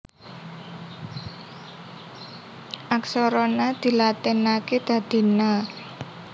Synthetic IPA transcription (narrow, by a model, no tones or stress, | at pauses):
ʔaksɔɾɔnad̪̥i̤lat̪ɛnaked̪̥a̤d̪̥i̤na